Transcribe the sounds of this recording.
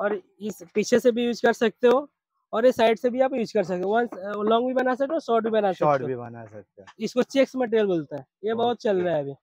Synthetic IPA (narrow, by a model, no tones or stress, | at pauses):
ɔːɾ | ɪspiːt͡ʃʰesebʱijuːd͡ʒkɐɾsɐk̚t̪eɦoː | ɔːɾesaːɪɖsebʱiaːp̚juːd͡ʒkɐɾsɐk̚t̪eoʋɐãlɔ̃ːŋɡbʱibɐnas̬ɐk̚t̪eɔːɾsɔːɾʈ̚bʱibɐnasɐɔːtʈeoiɐ̰na̰sɐk̚t̪aɪskot͡ʃeːksmɐʈ̬eɾjəlboːlt̪aɛ̃ | jebɐɦʊt̪̚t͡ʃɐlɾɐɛɐbʱiː